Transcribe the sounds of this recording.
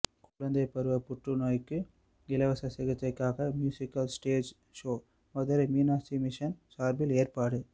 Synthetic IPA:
kʊɻɐnd̪ɐɪpːɐɾɯʋɐpʊʈrɯnoːjkːɯ | ɪlɐʋɐsɐsɐɣɐt̪ːɐɪkːaːɣɐmjuːsɪkːɐlsʈeːd͡ʒ | ʂoː | ʋɐðɐɾɐmiːnaːsimɪʂɐnsaːɾbɪleːrpaːɽɯ

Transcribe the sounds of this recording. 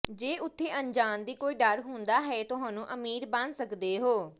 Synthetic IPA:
d͡ʒeːʊt̪ʰːeːʔəɲd͡ʒaːnd̪iːkoːiːɖəɾɦʊ̃nd̪aːɦɛːt̪ʊɦãːnũːʔəmiːɾbənsəkd̪eːɦoː

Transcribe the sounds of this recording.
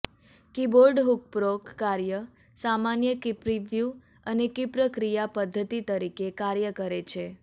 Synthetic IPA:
kiboɾɖɦuk̚pɾokːaɾjə | samanjəkipɾiʋju | ənekipɾəkɾijapəd̪ʱːət̪it̪əɾikekaɾjəkəɾet͡ʃʰe

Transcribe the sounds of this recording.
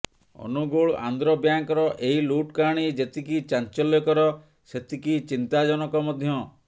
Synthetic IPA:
ɔ̰nuɡoɭa̰nd̪ɾɔbjaŋkɔɾɔʔeɦiluʈkaɽ̃id͡ʒet̪ikit͡ʃant͡ʃɔljɔkɔɾɔ | set̪ikit͡ʃint̪ad͡ʒɔnɔkɔmɔd̪ʱjɔ

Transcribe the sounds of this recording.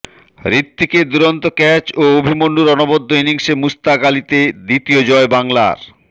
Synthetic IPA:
ɾit̪ːiked̪uɾont̪okɛt͡ɕoobʱimonɖuɾɔnobod̪ʱːoiniŋsemust̪aɡalit̪ed̪it̪iod͡ʑɔebaŋla̰ɾ

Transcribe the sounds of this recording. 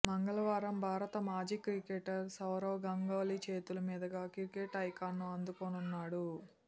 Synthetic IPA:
mɐŋɡɐlɐʋaːɾɐmbʱaːɾɐt̪ɐmaːd͡ʒiːkɾikeʈɐɾsɐwɾɐwɡɐŋɡoːlit͡ʃe̞ːt̪ulɐmiːd̪ɐɡaːkikeʈɐjkaːnːuɐnd̪ukoːnunːaːɽu

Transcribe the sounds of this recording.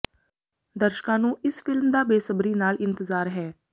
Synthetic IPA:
d̪əɾʃkãːnũːɪsfɪlmd̪aːbeːsəbɾiːnaːlɪnt̪əzaːɾɦɛː

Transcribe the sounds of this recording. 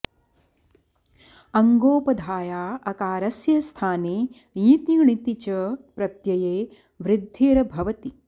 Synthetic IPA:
ɐŋɡoːpɐd̪ʱaːjaːɐkaːɾɐsjɐst̪ʰaːneː | jĩːt̪iɳit̪it͡ʃɐpɾɐt̪jɐjeː | ʋɾɪd̪ʱːiːɾɐbʱɐʋɐt̪i

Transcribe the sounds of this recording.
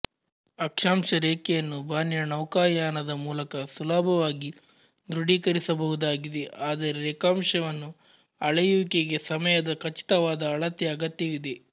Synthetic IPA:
ɐkʂaːmʃɐɾeːkɛjɐnːubʱaːnjɐnɐwkaːjaːnɐd̪ɐmuːlɐkɐsulaːbʱɐʋaːɡi | d̪ɾuɽiːkɐɾisɐbɐɦud̪aːɡid̪e̞ʔaːd̪ɐɾeɾekaːmʃɐʋɐnːu | ɐɭɐjuʋikeɡe̞sɐmɐjɐd̪ɐkɐt͡ʃi̥t̪ɐʋaːd̪ɐːɭɐt̪jɐɐɡɐt̪jɐʋid̪e̞

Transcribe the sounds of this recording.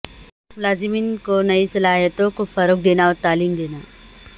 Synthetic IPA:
mʊlaːzɪmiːnkonɐisɐlaːɦijət̪õkofɐɾoːk̚d̪eːnaɔːɾt̪aːliːmd̪eːnaː

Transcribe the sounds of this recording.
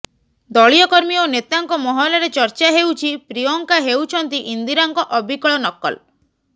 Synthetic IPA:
d̪ɔɭijɔkɔɾmionet̪aŋkɔmɔɦɔlɔɾet͡ʃɔɾt͡ʃaɦewt͡ʃʰipɾiɔŋkaɦewt͡ʃʰɔnt̪iʔind̪iɾaŋkɔʔɔbʱikɔɭɔnɔkɔ̰l

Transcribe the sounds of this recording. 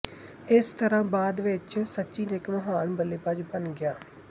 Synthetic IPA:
ɪst̪əɾãːbaːd̪ʋɪt͡ʃsətːʃiːnɪkməɦaːnbəleːpəd͡ʒbənɡɪjaː

